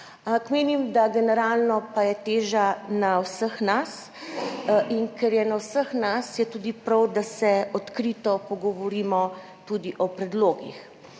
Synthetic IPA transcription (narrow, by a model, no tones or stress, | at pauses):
kmeːnimd̪aɡɛnɛɾaːlnɔpajɛt̪eːʒanawsəxnas | ʔiŋkɛɾjɛnawsəxnasjɛt̪uːd̪ipɾawd̪asɛɔt̪kɾit̪ɔpɔɡɔʋɔɾimɔ | t̪ud̪iʔɔpɾɛd̪loːɡḭx